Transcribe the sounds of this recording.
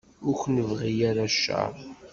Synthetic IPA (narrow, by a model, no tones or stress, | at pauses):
ʊɾçnəvʁijaɾaʃːɑ̰ɾˤ